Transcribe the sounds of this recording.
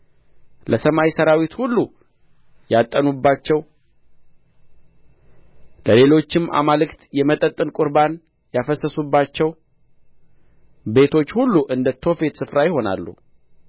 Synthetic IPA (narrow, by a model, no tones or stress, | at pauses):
lʔəsəmajsəɾawit̪hulːu | jat̪ʼːənubːat͡ʃːɛw | ləle̞lo̞t͡ʃːɪmʔa̰malɨkt̪jɛmət̪ʼət̪ʼːɨnkʼʊɾban | jafəsːəsubːat͡ʃːɛw | be̞t̪ʰo̞t͡ʃːhulːuʔɨnd̪ət̪ʰo̞fe̞t̪sɨfɾajɪho̞na̰lːṵ